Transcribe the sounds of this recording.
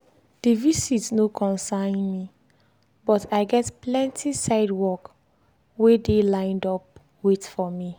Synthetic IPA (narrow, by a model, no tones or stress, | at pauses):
d̥ivisitsnokʰɔ̃nsãɪ̃nmi | bɔtʰaɪɡɛtplɛ̃ntʰisaɪdwɔk | wedelãɪ̃ndɔp̚ | wetfɔmi